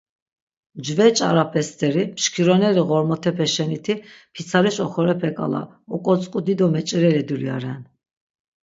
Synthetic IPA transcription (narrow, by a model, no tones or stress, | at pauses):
d͡ʒvɛt͡ʃʼaɾapʰɛst̪ʰʼɛɾimʃkʰiɾɔnɛɾiɣɔɾmɔt̪ʰɛpʰɛʃɛnit̪ʰipʰit̪sʰaɾiʃɔχɔɾɛpʰɛkʼa̰la̰ | ɔkʼɔt͡sʼqkʼud̪id̪ɔmɛt͡ʃʼɛɾɛɾɛd̪uɾia̰ɾɛn